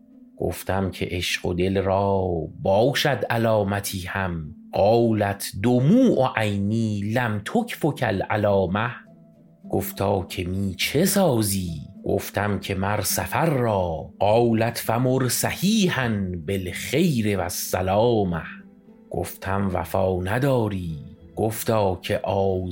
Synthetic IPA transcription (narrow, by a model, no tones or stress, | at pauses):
ɡ̥o̰ft̪ʰæmcʰḛʔeʃɢo̰d̪e̞lɾɒːbɒːʃæd̪ælɒːmæt̪ʰiːhæmɢɒːlæt̪ʰd̪omuːʔoʔæjniːlæmt̪ʰokʰfocʰæ̰lʔælɒːmæh | ɡ̥oft̪ʰɒːcʰe̞miːt͡ʃʰe̞sɒːziːɡ̥o̰ft̪ʰæmcʰe̞mæɾsæfæɾːɒːɢɒːwlæt̪ʰfæmoɾsæhiːhænbelχe̞jɾevæsːælɒːmæh | ɡ̥o̰ft̪ʰæmvæ̰fɒːnæd̪ɒːɾiːɡ̥oft̪ʰɒːkʰeʔɒː